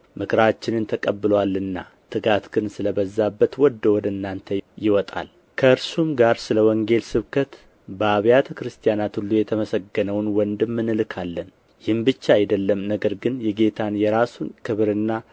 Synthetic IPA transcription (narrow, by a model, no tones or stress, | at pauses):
mɨkʰɾat͡ʃːɪnɨnt̪ʰəkʼəbːɨlwalːɨnːa̰ | t̪ʰɨɡat̪ɡɨnsɨləbəzːabːət̪wɔd̪ːəwɔd̪əɨnːant̪ʰəjɪwɔt̪ʼa̰l | kʰəɨɾsumɡaɾsɨləwɔŋɡe̞lsɨβkʰət̪ | bəaβjat̪ʰəkɾɨst̪ʰijanat̪hulːujɛt̪ʰəməsəɡːənəwnwɔnd̪ɨmːɨnɨlkʰalːən | jɪhɨmbɨt͡ʃːaajd̪əlːəmnəɡəɾɡɨnjɛɡe̞t̪ʰanjɛɾasunkʰɨβɾɨnːa